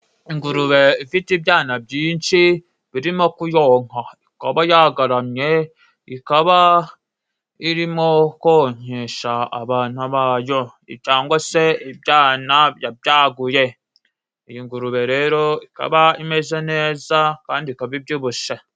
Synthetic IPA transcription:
iŋɡuɾuβeifitibjaːnab̚ɟiːnʃi | βiɾimokujoŋ̥haikaβajaɡaɾamɲe̞ | ikaβa | iɾimokoɲeʃaa̰βaːn̥aβaːjo | ḭt͡ʃaːŋɡwoseibjaːnajabjaːɡuje | ijiŋɡuɾuβe̞ɾe̞ːɾoika̰βaime̞zene̞ːzakaːndiikaβibɟuβuʃe

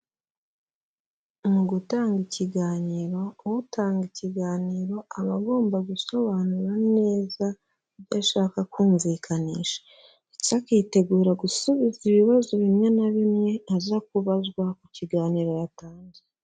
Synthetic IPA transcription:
muɡutaːŋɡiciɡaːɲiɾo̞wutaːŋɡiciɡaːniːɾo̞aβaɡo̞ːmbaɡuso̞βanuɾane̞ːza | βɟaʃaːkakuːɱviːkʰanḭːʃḁ | cakiːte̞ɡuːɾaɡusuβiziβiβazoβimŋe̞naβimŋe̞azak̚uβazɡwakuciɡaːniːɾo̞jataːɲze

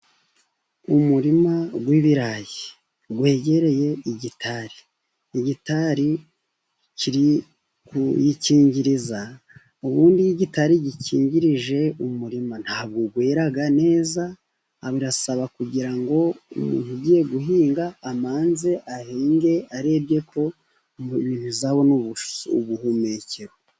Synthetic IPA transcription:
umuɾimaɡwiβiɾaji | ɡwe̞ːɟe̞ɾe̞je̞iɟitʰaɾiː | ɟitaɾi | ciɾi | kujiciːɲɟiɾiza | uβuːndijiɟitaɾiɟiciːɲɟiɾiʒe̞umuɾiman̥haːβ̚ɡuɡweːɾaɡane̞ːza | βiɾasaβakuɟiɾaŋɡo̞umṵːntuɟiːje̞ɡuɦiːŋɡaːmaːnze̞ʔahiːŋɡe̞aɾe̞ːbɟe̞kʰo̞ | mninizaβo̞nuβu̥uβuhumeceɾo

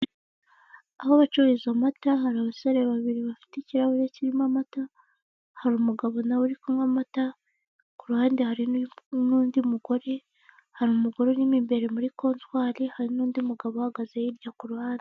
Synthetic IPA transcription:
ahoβat͡ʃuɾizamataɦaɾaβasaɾeβaβiɾiβafi̥teciɾaβuɾeciɾimamata | haɾumuɡaβo̞nawuɾikomamata | kuɾuhaːndehaɾinuːndimuɡo̞ɾe | haɾumuɡo̞ɾenimimbe̞ɾe̞muɾiko̞ːntwaːɾihaɾinuːndimuɡaβohaɡazejiɾɟakuɾuhaːnde

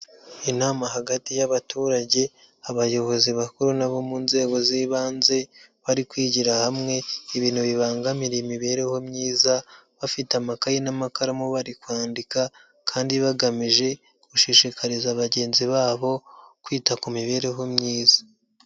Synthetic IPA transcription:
inaːmaɦaɡatijaβatuːɾaɟe̞ | aβajo̞βo̞ziβakuɾunaβo̞muːnze̞ːɡo̞ziːβaːnze̞βaɾikwiːɟiɾahamŋe̞iβiːn̥huβiβaːŋɡamiɾemiβe̞ɾe̞ho̞mɲiːzaβafitamakajenamakaɾamoβaɾikwaːndika | kʰaːndiβaɡamiʒe̞ | ɡ̥uʃiʃikʰaɾizaβaɟe̞ːnziβaːβo̞kwiːtakumiβe̞ɾe̞ɦo̞mɲiːzḁ

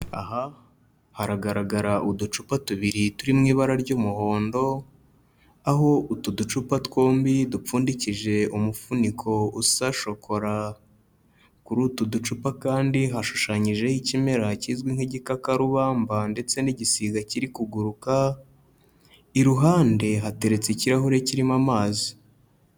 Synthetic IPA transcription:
a̰ɦa | haɾaɡaɾaɡaɾaʔudut͡ʃupatuβiɾituɾimŋiːβaɾaɾɟuːmuho̞ːndo̞ | aɦo̞ʔutudut͡ʃupatko̞ːmbidup͡fuːndiciʒe̞omufunikʰo̞usaʃo̞kʰo̞ɾa | kuɾutudut͡ʃupakaːndiɦaʃu̥ʃaɲiʒe̞icime̞ɾaciːzɡwin̥heɟikakaɾuβaːmbande̞t͡se̞niɟisiɡaciɾikuɡuɾuka | iɾuɦaːnde̞ɦate̞ɾet͡seiciɾaɦuɾe̞ciɾimamaːzi

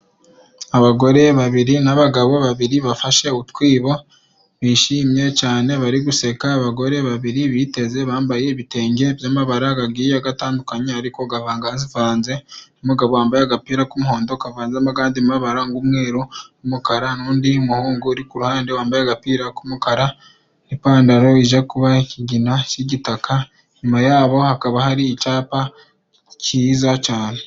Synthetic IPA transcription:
aβaɡo̞ɾe̞βaβiɾinaβaɡaβo̞βaβiɾiβafaʃe̞utkwiːβo̞ | βiʃimje̞t͡ʃaːne̞βaɾiɡuse̞kaːβaɡo̞ɾe̞βaβiɾiβite̞ze̞βaːmbaje̞iβite̞ːŋɡe̞bjaːmaβaɾaɡaɡijoaɡataːndukaɲeaɾiko̞ɡavaːŋɡaːnzivaːnze̞umuɡaβowaːmbajaɡapiːɾakumuho̞ːndokavaːnzamaɡaːndimaβaɾaŋɡumwe̞ːɾoumukaɾanuːndiumuhuːŋɡuɾikuɾuhaːndewaːmbajaɡapiːɾakumukaɾa | epaːndaɾo̞iʒakuβaiciɟinat͡ʃiɟitaka | ɲumajaːβo̞hakaβahaɾiːt͡ʃaːpa | ciːzacaːne̞

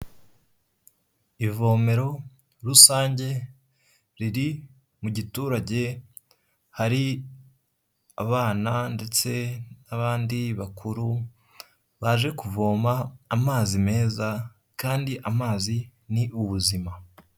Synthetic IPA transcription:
ivo̞ːme̞ɾo̞ | ɾusaːɲɟe̞ | ɾiɾi | muɟituːɾaɟe̞ | haɾi | aβaːnande̞t͡se̞naβaːndiβakʰuɾu | βaʒe̞kuvo̞ːmaːmaːzime̞ːza | kaːndiʔamaːziniʔuβuzima

